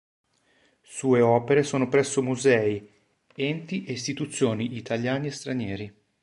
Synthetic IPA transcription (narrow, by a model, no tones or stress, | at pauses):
suːeɔːpeɾesoːnopɾɛsːomuzɛːi | ɛnt̪iʔeist̪it̪ut̪sːjoːniʔːt̪ʰaljaːneest̪ɾanjɛːɾi